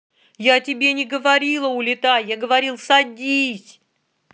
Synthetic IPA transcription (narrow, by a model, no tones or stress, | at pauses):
jaɐtʲɪbʲenʲɪɡəvɐɾʲilˠəʊlʲɪt̪ajjaɡəvɐɾʲilˠsɐdʲisʲ